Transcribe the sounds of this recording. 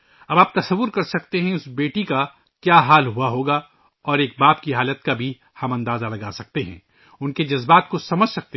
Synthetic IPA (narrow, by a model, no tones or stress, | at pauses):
ɐbaːp̚t̪ɐsɐʋːʊɾkɐɾsɐkt̪eɦɛ̃ʊsbeːʈika | kjaːɦaːlɦuaɦoːɡa | ɔːɾeːk̚baːpkiɦaːlət̪kabʱi | hɐmɐ̃nd̪aːzalɐɡaːsɐk̚t̪eɦɛ̰̃ː | ʊnked͡ʒɐzbaːt̪kosɐməd͡ʒʱsɐk̚t̪e